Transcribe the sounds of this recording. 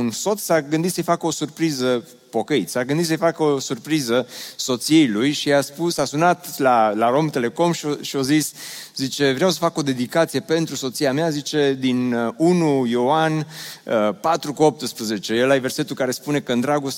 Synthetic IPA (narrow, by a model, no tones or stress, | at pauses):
unso̞t̪ssaɡɨnd̪it̪səjfakəo̞surpɾizə | po̞kəit̪saɡɨnd̪it̪səjfakəosurpɾizəso̞t̪siejlujʃiaspusasunat̪lalaɾo̞mt̪ele̞ko̞mʃioʃio̞ziszit͡ʃe̞vɾeawsə̥fakod̪e̞d̪ikat̪sije̞pe̞nt̪ɾuso̞t̪siameazit͡ʃe̞d̪inunujoanəpat̪ɾukuop̚t̪ɨspɾəze̞t͡ʃe̞jelajve̞rse̞t̪ulkaɾe̞spune̞kəɨnd̪ɾaɡost̪